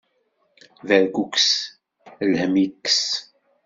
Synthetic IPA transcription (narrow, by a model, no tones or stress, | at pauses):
ðəɾɡuks | lhəmikːs